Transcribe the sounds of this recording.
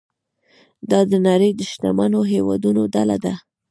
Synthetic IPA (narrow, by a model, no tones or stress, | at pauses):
d̪ɑd̪ənaɾəjd̪əʃt̪amanoɦewɑ̰d̪unod̪ala̰d̪a